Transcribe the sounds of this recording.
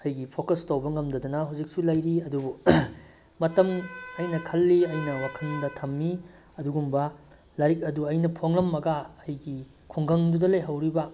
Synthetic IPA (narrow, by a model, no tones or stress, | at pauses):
ɐjɡipʰokɐstɐwbɐŋɐmdɐdɐnɐɦawzik̚sulɐjɾiɐdubu | mɐtɐmɐjnɐkʰɐlːiɐjnɐwakʰɐndɐtʰɐmːi | ɐduɡumbɐ | lɐɾik̚ɐduɐjnɐpʰoŋlɐmːɐɡaːjɡi | kʰoŋɡɐŋdudɐlɐjɦɐwɾibɐ